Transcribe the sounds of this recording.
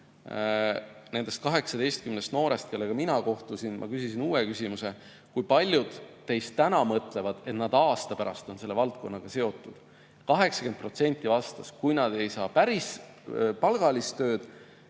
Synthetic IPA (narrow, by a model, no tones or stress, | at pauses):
ne̞nd̪̥e̞st̪̚kɑɦe̞ksɑd̪e̞jst̪̚kymnest̪no̞ːɾe̞st̪̚ke̞lːeɡ̥ɑminɑko̞ht̪usinmʔɑ̰kysisinuːwekysʲimuse̞ | kujpɑlʲjud̪̥ː | e̞jst̪ːænɑmɤt̪ˑle̞vɑd̪̥e̞t̪nɑd̪̥ɑːst̪ɑpæɾɑst̪o̞nse̞lːe̞vɑlt̪̚ko̞nːɑɡ̥ɑse̞o̞t̪ˑːud̪̥ | kɑɦe̞ksɑ̥ke̞nt̪̚pro̞t̪se̞nʲt̪ʲːˑivɑst̪ɑskujnɑd̪̥e̞jsɑːpæɾis | pɑlɡ̥ɑlist̪ø̞ːd̪̥